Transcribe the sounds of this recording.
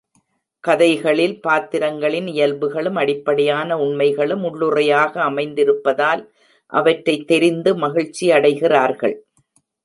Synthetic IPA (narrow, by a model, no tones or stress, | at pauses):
kɐðɐɪɣɐɭɪlpaːt̪ːɪɾɐŋɡɐɭɪnɪjɐlbɯɣɐɭɯmɐɽɪpːɐɽɐjaːnɐʊɳmɐɪɣɐɭɯmʊɭːʊrɐjaːɣɐːmɐɪnd̪ɪɾɯpːɐðaːl | ʔɐ̰ʋɐʈɾɐɪt̪ːɛɾɪnd̪ɯmɐɣɪɻt͡ʃːiɐɽɐɪɣɪraːɾɣɐ̰ɭ